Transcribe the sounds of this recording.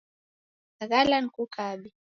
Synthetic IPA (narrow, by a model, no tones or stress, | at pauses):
ɣalaŋkukʰaːbi